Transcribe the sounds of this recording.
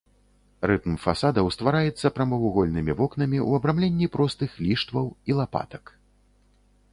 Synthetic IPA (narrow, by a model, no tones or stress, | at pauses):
rɨt̪mfasad̪ɐwst̪vaɾajɛt̪sːɐpɾɐmɐvuɣɔlʲnɨmʲivɔknɐmʲiʔw̰ɐbɾamlʲenʲːipɾɔst̪ɨxlʲiʂt̪vɐwilˠapa̰t̪ɐk